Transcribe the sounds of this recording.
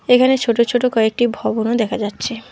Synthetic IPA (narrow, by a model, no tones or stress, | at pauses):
ekʰanet͡ɕʰoʈot͡ʃʰoʈokɔek̚ʈibʱɔbonod̪ɛkʰad͡ʑatːɕʰe